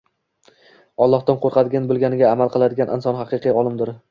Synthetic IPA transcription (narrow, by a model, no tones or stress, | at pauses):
ɒlˠːɒht̪anqʰoɾqʰɑd̪ɪɡʲanbɪlˠɡʲanɪɡʲaːmalˠqʰɨlˠad̪ɪɡʲanʔɪ̰nsɒnhɑqɨqʰiɒlˠɪmd̪ɪɾ